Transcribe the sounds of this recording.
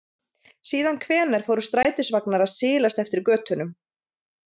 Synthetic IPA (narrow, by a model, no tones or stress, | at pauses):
siːðankʰvɛːnaɾ̥fowɾʏst̪ɾaːjt̪ʏsvaknaɾaðsɪːlast̪ɛft̪ɪɾkœːt̪ʏnʏm